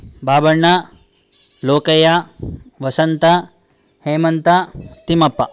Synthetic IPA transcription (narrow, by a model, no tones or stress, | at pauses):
baːbɐɳːɐ | loːkɐjaʋɐsɐnt̪ɐ | heːmɐnt̪ɐt̪imɐpːɐ